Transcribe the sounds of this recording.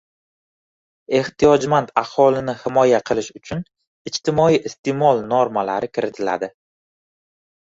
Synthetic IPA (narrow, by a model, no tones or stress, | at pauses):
e̞ht̪ʰijɒd͡ʒmant̪ahɒlɪnɪhɪmɒjaqʰɨlˠɪʃʊt͡ʃʰʊn | ɪt͡ʃt̪ʰɪmɒiʔɪst̪ʰemɒlˠnoɾmalaɾɪkʲʰɪɾɪt̪ʰɪla̰d̪ɪ